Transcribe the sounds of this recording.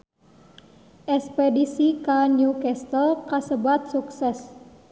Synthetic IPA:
ʔɛspedisikanjukɛst̪əlkasəbat̪̚suksɛs

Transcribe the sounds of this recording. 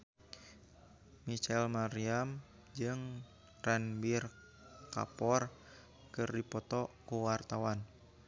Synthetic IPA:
mit͡ʃɛlmaɾiam | d͡ʒɨŋ | rɛnbir | ka̰pɔr | kɨrdipɔt̪ɔkuwart̪awan

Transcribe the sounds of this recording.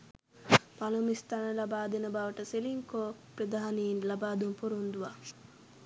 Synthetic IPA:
palumist̪anəlabaːd̪enɐbaːʋɐʈəseliŋkoːprɐd̪aɦaniːnlabaːd̪umpuɾund̪uʋa

